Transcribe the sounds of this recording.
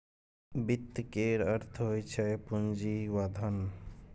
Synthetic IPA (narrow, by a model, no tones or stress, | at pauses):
bit̪ːkeɾəɾt̪ʰɦojt͡ʃʰapund͡ʒiwad̪ʱan